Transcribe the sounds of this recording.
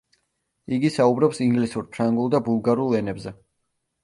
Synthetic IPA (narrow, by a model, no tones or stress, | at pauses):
iɡisaubɾɔpsiŋɡlisuɾpʰɾaŋɡulˠd̪abulˠɡaɾulˠɛnɛbzɛ